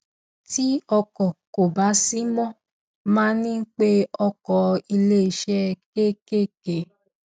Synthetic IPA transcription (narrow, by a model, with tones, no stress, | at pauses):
ti˦ɔ˧kɔ˨ko˨ba˨˦si˦mɔ̃˦ | mãː˦nĩ˦ŋ̩˦k͡pe˦ɔ˧kɔ˨i˧le˦i˧˨ʃɛ˦ke˦ke˦ke˨